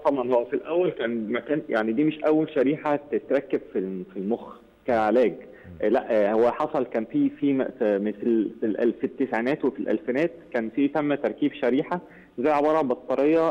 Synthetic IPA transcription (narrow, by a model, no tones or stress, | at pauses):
t̪ˤɑbʕɑnhowːæfilʔæwːælkæːnmækæːnja̰ʕnid̪iːmeʃʔæwːælʃæɾiːħat̪et̪ɾˤækːebfifilmox | kæʕelæːɡ | læʔhowːæħɑsˤɑlkæːnfiːfiːmmeslilʔæ̰lfit̪ːesʕinæːt̪wefilʔæ̰lfenæːt̪̚kæːnfiːt̪æmːæt̪ɑɾˤkiːbʃæɾiːħa | zæjːʕebɑːɾˤɑbet̪ˤːɑɾejɑ